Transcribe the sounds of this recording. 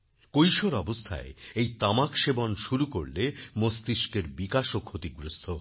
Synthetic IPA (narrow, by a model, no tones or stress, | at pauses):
kojʃoɾɔbost̪ʰa̰eejt̪amakʃebonʃuɾuko̰ɾlemost̪iʃkeɾbikaʃokʰot̪iɡɾust̪ʰo